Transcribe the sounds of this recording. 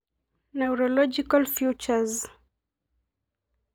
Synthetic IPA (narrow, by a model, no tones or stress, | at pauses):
nawɾɔlɔd͡ʒikalfjut͡ʃaz